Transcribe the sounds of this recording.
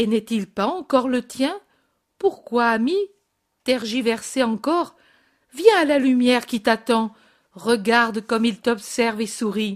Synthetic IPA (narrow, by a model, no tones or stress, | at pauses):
enɛt̪ilpaɑ̃kɔʁlət̪jɛ̃ | puʁkwaːmi | t̪ɛʁʒivɛʁseɑ̃kɔʁ | vjɛ̃alalymjɛʁkʲit̪at̪ɑ̃ | ʁəɡaʁd̪kɔmilt̪ɔpsɛʁvesuʁi